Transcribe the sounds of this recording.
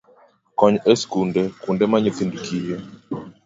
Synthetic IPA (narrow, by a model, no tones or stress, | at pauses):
kɔɲɛskundɛkundɛmaɲoθindukije